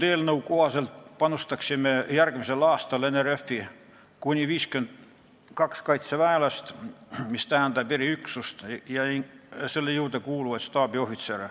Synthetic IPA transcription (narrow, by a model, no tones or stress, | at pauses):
t̪eːlnoukoʋɑselt̪pɑnust̪ɑksimːejærɡ̥emiselɑːst̪ɑlenerefːi | kunʲiʋiːskyent̪ | kɑkskɑit̪seʋæelɑst̪mist̪æænt̪ɑperiyksust̪jɑiselːejuːt̪ekuːluʋɑt̪st̪ɑːbiohit̪ser